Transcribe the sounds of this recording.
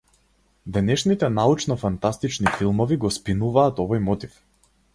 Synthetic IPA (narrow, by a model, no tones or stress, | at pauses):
d̪ɛnɛʃnit̪ɛnaut͡ʃnɔfant̪ast̪it͡ʃnifilˠmɔviɡɔspinuvaːt̪ɔvɔjmɔt̪if